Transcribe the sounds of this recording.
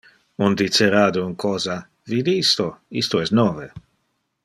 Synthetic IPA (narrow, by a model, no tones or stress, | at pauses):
und̪it͡ʃeɾaːd̪ouŋkʰɔːza | vid̪iist̪oist̪oɛsnɔːve